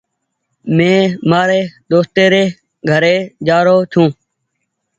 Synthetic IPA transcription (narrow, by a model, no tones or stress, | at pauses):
mẽːmaːɾeːd̪oːst̪eːɾeː | ɡʱəɾeːd͡ʒaːɾoːt͡ʃʰũː